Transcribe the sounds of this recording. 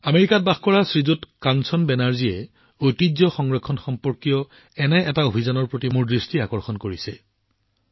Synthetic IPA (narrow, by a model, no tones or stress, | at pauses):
ameɹikat̚baxkɔɹasɹizutkansɔnbɛnaɹzijɛ | ojtizɔxɔŋɹɔkʰːɔnxɔmpɔɹkijɔ | ɛnɛɛtaobʱizanɔɹpɹotimuɹdɹistiakɔɹxɔnkoɹisɛ